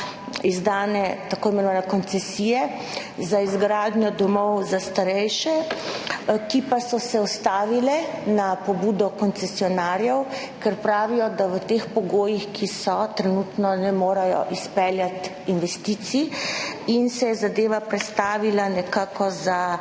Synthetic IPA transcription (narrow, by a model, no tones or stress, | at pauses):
izd̪aːnɛt̪akoːimɛnɔʋaːnɛkɔnt̪sɛsiːjɛ | zaizɡɾaːd̪ɲjɔd̪ɔmɔwzast̪aɾɛjʃɛ | kipasɔsɛɔst̪aːʋilɛnapɔbuːd̪ɔkɔnt̪sɛsiɔnaːɾjɛw | kɛɾpɾaːʋijɔd̪aʋət̪expɔɡoːjixkʰisɔt̪ɾɛnuːt̪nɔnɛmoːɾajɔ̰ʔispɛljat̪ | inʋɛst̪iːt̪si | insɛjɛzad̪eːʋapɾɛt̪st̪aːʋilanɛkaːkɔza